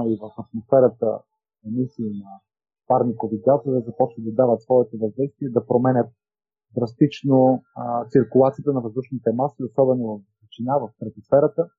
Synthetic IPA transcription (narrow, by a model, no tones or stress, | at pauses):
ivəfɐt̪mosfɛɾət̪ə̰ | ɛmisiːnɐ | paɾnikoviɡat̪ovəzɐpɔt͡ʃvəd̪d̪ɐd̪avət̪svɔɛt̪ovɐzd̪ɛjst̪viɛd̪ɐpɾomɛnʲət̪̚ | d̪ɾɐst̪it͡ʃnot̪siɾkʊlˠat̪siət̪ənɐvɐzd̪uʃnit̪ɛmasliosɔbɛnovɐf | t͡ʃinavɐft̪ɾɐt̪mosfɛɾət̪ə